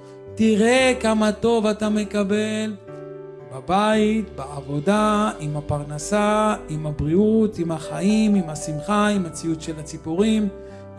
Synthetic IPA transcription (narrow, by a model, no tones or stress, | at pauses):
tiʁekamato̞vatame̞kabe̞l | babaitbeavo̞daimapaʁnasaimabʁiutimaχaimimasimχaimat͡siutʃelat͡sipuʁim